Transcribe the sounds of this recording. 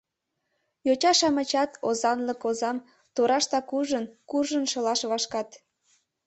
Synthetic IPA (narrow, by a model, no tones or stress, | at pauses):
jot͡ɕɑʃɑmə̆t͡ɕɑt̪ozɑnləkozɑm | t̪oɾɑʃt̪ɑkuʒənkurʒənʃɤ̆lɑʃβɑʃkɑt̪